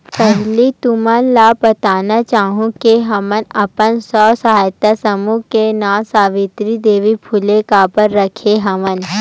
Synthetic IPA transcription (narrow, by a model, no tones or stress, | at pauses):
pɛɦlit̪ʊmənlabɐt̪aːnat͡ʃaːɦũkeɦɐmənɐpənsɔːsɐɦaːjt̪asəmukenãsaːʋɪt̪ɾid̪eːʋipʰʊlekaːpəɾːɐkʰeɦɐʋən